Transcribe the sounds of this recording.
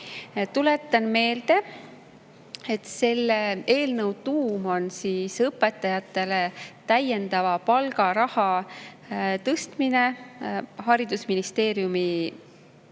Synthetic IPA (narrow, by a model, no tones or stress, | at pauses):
t̪ule̞t̪ːˑɑnme̞ːld̪̥e̞ | et̪se̞lːee̞ːlnɤwt̪uːmo̞nsiːsɤpːˑe̞t̪ːˑɑjɑt̪ːˑe̞le̞t̪æje̞nd̪ɑvɑpɑlɡɑɾɑhɑ | t̪ɤst̪mine̞ | hɑɾid̪usminist̪e̞ːɾjumi